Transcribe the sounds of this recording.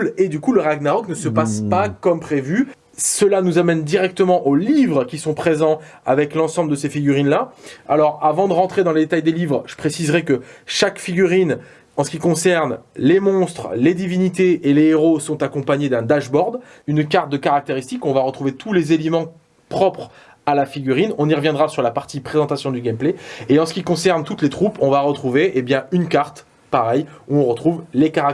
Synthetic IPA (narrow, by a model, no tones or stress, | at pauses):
led̪ykuləʁaɡnaʁɔknəsəpaspakɔmpχevy | səlanuzamɛnd̪iʁɛk̚t̪əmɑ̃ʔolivʁkʲisɔ̃pχezɑ̃a̰vɛklɑ̃sɑ̃bld̪əsefiɡʲyʁinlaalɔʁavɑ̃d̪əʁɑ̃t̪χed̪ɑ̃led̪et̪ajd̪elivʁʒ̥ə̥pχesizʁɛkəʃakfiɡʲyʁin | ɑ̃sə̥kʲikɔ̃sɛʁnlemɔ̃st̪χled̪ivinit̪eʔeleːʁosɔ̃t̪akɔ̃paɲed̪ɛ̃d̪aʒbɔʁd̪ | ynkaʁt̪̚d̪əkaʁak̚t̪eʁist̪ikɔ̃vaʁət̪χuvet̪ʰulezelemɑ̃ | pχɔpχ | alafiɡʲyʁinɔ̃niʁəvjɛ̃d̪ʁasyʁlapaʁt̪ipχezɑ̃t̪asjɔ̃d̪yɡʲɛmpleeɑ̃sə̥kʲikɔ̃sɛʁnt̪ut̪let̪χupɔ̃vaʁət̪χuveʔebjɛ̃ynkaʁt̪ | paʁɛjuɔ̃ʁət̪χuvlekaʁak̚